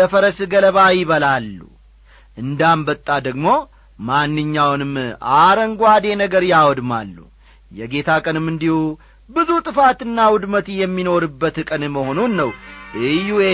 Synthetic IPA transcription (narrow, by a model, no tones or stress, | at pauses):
əfəɾəsɡələβajɪβəlalːṵ | ʔɨnd̪ambət̪ʼːad̪əɡmo̞ | manːɨɲːawnɨmːaɾəŋɡwad̪e̞nəɡəɾjawɔd̪ma̰lːṵ | jɛɡe̞t̪ʰakʼənɨmːɨnd̪ihu | bɨzut̪ʼɨfat̪ɨnːawʊd̪mət̪jɛmːino̞ɾɨbːət̪kʼənməho̞nunːəwbəjue